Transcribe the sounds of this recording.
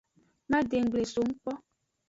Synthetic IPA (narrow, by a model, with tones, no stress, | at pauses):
mã˦de˨ŋ̩˨ɡ͡ble˨so˨ŋ̩˦k͡pɔ˦